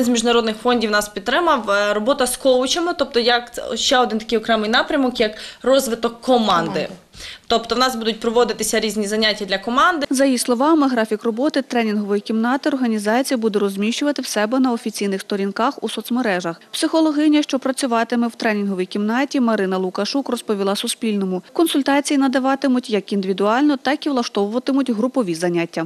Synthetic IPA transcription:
nzmʲiʒnɐɾɔd̪nɪxfɔnʲdʲiʋwnɑspʲid̪t̪ːɾɪmɐwɾɔbɔt̪ɐskɔwʊt͡ʃemɔt̪ɔp̚t̪ɔjɐkʃt͡ʃɛɔd̪ɪnt̪ɐkɪjɔkɾɛmɪjnɑpɾʲɐmɔkjɐkrɔzʋɪt̪ɔkːɔmɑnd̪ɪ | t̪ɔpt̪ɔwnɑsbud̪ʊt̚ʲpɾɔʋɔd̪ɪt̪ɪsʲɐɾʲizʲnʲizɐnʲatʲːɐd̪lʲɐkɔmɑnd̪ɪzɐjislˠɔʋɑmɪɦɾɑfʲikrɔbɔt̪ɪt̪ɾɛnʲinɦɔʋɔjikʲimnɑt̪ɪɔrɦɐnʲizɑt͡sʲijɐbud̪ɛɾɔzʲmʲiʃt͡ʃʊʋɐt̪ɪwsɛbɛnɐɔfʲit͡sʲijnɪxst̪ɔɾʲinkɑxusɔt̪smeɾɛʒɐxpsɪxɔlˠɔɦɪnʲɐʃt͡ʃɔpɾɐt͡sʲʊʋɑt̪ɪmɛwt̪ɾɛnʲinɦɔʋʲijkʲimnɑtʲimɐɾɪnɐlˠʊkɐʃukrɔspɔʋʲilˠɑsʊspʲilʲnɔmʊkɔnsʊlʲt̪ɑt͡sʲijinɐd̪ɐʋɑt̪ɪmʊtʲjɐkind̪ɪʋʲid̪ʊɑlʲnɔt̪ɑkiʋlˠɐʃt̪ɔʋʊʋɐt̪ɪmʊtʲɦɾʊpɔʋʲizɐnʲatʲːɐ

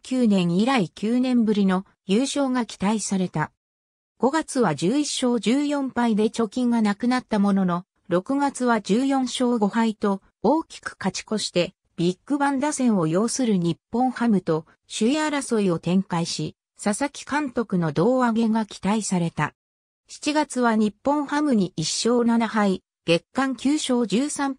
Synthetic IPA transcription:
kʲɨːnẽ̞ɰ̃iɾaikʲɨːnẽ̞mbɯ̟ɾʲino̞ | jɯːɕo̞ːɡakʲi̥t̪aisaɾe̞t̪a | ɡ̥o̞ɡat͡sɨβad͡ʑɨːiɕːo̞ːd͡ʑɨːjõ̞mpaid̪e̞t͡ɕo̞kʲĩŋɡanakɯ̟nat̪ːamo̞no̞no̞ | ɾo̞kɯ̟ɡat͡sɨβad͡ʑɨːjõ̞ɰ̃ɕo̞ːɡo̞hait̪o̞ | oːkʲi̥kɯ̟̥kat͡ɕi̥ko̞ɕi̥t̪e̞ | b̥ʲikːɯ̟bãnd̪asẽ̞ɰ̃o̞jo̞ːsɨɾɯ̟ɲ̟ipːõ̞ɰ̃hamɯ̟t̪o̞ | ɕɨiaɾaso̞io̞t̪ẽ̞ŋkaiɕi | sasakʲi̥kãnt̪o̞kɯ̟no̞d̪o̞ːaɡe̞ɡakʲi̥t̪aisaɾe̞t̪a | çi̥t͡ɕiɡat͡sɨβaɲ̟ipːõ̞ɰ̃hamɯ̟ɲ̟iiɕːo̞ːnanaɦai | ɡ̥e̞kːãŋkʲɨːɕo̞ːd͡ʑɨːsãm

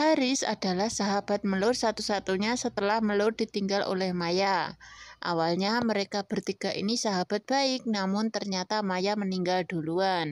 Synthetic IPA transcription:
haɾɪsa̰dalahsaɦab̥at̪̚məlʊrsat̪usat̪uɲasət̪əlahməlʊr̚dit̪iŋɡalʔo̰lɛhmajaʔa̰walɲaməɾekab̥ərt̪iɡ̥aʔḭnisaɦab̥at̪̚b̥aɪk̚namʊnt̪ərɲat̪amajaməniŋɡald̥oluan

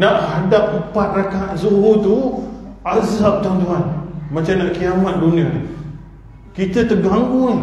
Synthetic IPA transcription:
naʔhadap̚əmpat̪̚rakazuɦut̪u | azap̚t̪ant̪̬uɦanmat͡ʃamnaʔkiamat̪̚duniat̪u | kit̪ət̪əɡaŋɡun

